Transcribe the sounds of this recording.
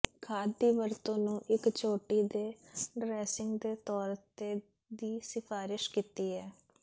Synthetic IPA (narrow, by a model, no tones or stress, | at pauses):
kʰaːd̪ːiːʋəɾt̪õːnũːʔɪkt͡ʃoːʈiːd̪eːɖɾɛːsɪŋɡd̪eːt̪ɔːɾt̪eː | d̪iːsɪpʰaːɾɪʃkiːt̪iːɦɛː